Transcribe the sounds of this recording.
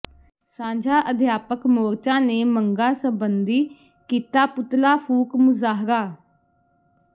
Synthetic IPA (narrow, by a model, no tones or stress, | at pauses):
sãːd͡ʒʱaːʔəd̪ʱjaːpəkmoːɾt͡ʃãːneːməŋɡaːsəbənd̪iː | kiːt̪aːpʊt̪laːpʰuːkmʊzaːɦɾaː